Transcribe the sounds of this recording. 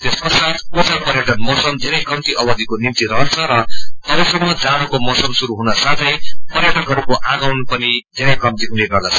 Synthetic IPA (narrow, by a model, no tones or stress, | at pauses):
t̪espʌsat̪kut͡sapʌɾjʌʈʌnmʌsʌmd͡zʱeɾʌjkʌmt̪iʔʌbʌd̪ʱikonimt̪iɾʌɦʌnt͡sʰʌɾʌt̪ʌɾʌsʌmːʌd͡zaɽʌkomʌsʌmsuɾuɦunʌsat̪ʰʌjpʌɾjʌʈʌkɦʌɾukoʔaɡawnpʌnid͡zʱeɾʌjkʌmt̪iɦuneɡʌrd̪at͡sʰʌ